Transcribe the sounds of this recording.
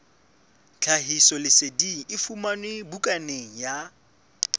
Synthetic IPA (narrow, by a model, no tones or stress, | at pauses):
t͡ɬʰaɦisɔlɪsediʔɪfumanɪbukʼaneŋ̩ja